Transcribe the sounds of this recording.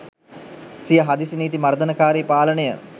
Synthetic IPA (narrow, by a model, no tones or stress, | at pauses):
sijəɦad̪isiniːt̪imɐɾd̪ənəkaːɾipaːlənəjə̰